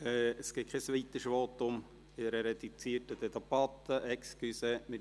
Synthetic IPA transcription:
ɛːəsɡ̥ɪkʰɛsʋit̪əʃʋoːt̪ːʊm | ɪɾɛɾɛd̪ut͡siətəd̪ɛt̪ɑpɑt̪ːəʔɛkskysɛmɪ

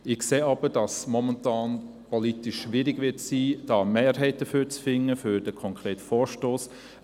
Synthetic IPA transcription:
ɪxkseːɑb̥əɾd̥ɑsmɔməntɑːn | pɔlitɪʃːʋɪɾɪɡʋɪtsiːd̥ɑːmeːɾɦɛɪt̚d̥əfyːɾt͡sfɪŋːəfyɾd̥əkʰɔŋkʰɾeːtfɔːɾʃtoːs

